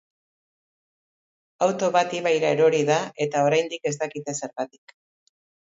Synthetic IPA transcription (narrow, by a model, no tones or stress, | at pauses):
awt̪o̞βat̪iβajɾaeɾo̞ɾiðae̞t̪ao̞ɾajnd̪ike̞s̬t̪akit̪e̞se̞ɾɣat̪i̥k